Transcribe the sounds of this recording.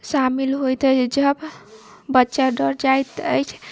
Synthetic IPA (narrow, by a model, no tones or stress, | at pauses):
samilɦojt̪əd͡ʒəb | bətːʃaɖəɾd͡ʒajt̪ət͡ʃʰ